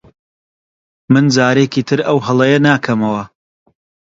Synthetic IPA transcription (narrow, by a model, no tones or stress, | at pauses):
mɨnd͡zaːɾeːkiːt̪ʰɨɾɐwɦɐlˠɐjɐnaːkʰɐmɐwɐ